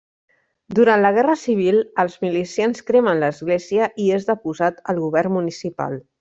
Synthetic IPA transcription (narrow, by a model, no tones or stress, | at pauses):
d̪uɾant̪ləɣ̞ɛrəsiβ̞ilˠəlˠzmilisianskɾemənləzɣleziəʔiezðəpuzat̪əlˠɣuβɛrmunisipa̰lˠ